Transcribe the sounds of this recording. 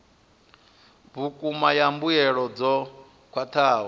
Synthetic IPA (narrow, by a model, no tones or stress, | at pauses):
βukʼumajambujɛɺɔd͡zɔ | kʰwat̪ʰaːɦɔ